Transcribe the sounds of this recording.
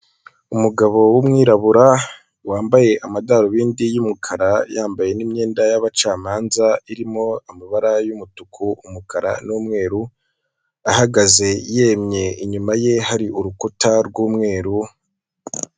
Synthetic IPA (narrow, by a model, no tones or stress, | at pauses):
umuɡaβo̞wumŋiːɾaβuɾa | waːmbaje̞ʔamadaɾoβiːndijumukʰaɾajaːmbaje̞nimɲe̞ːndajaβat͡ʃaːmaːnzaiɾimo̞amiβaɾajumutukʰuumukʰaɾa̰nuːmŋe̞ːɾu | ahaɡaze̞je̞ːmɲe̞iɲumaje̞haɾiʔuɾukutaɾɡuːmŋe̞ːɾu